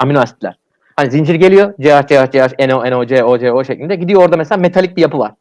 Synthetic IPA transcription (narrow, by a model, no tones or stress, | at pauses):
aminoasit̪lʲæɾ̥ | hanizind͡ʒiɾɟe̞lʲijo̞d͡ʒeɦazd͡ʒeazd͡ʒeɦaenoenod͡ʒɛod͡ʒɛoʃeclʲind̪ɛɟid̪ijo̞o̞ɾd̪ameselʲaːmet̪ʰalʲic̚bijapʰɯlˠa̰ɾ̥